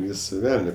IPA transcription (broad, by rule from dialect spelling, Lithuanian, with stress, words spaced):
ˈʋʲiːsɐ ˈʋʲɛlʲnʲɛ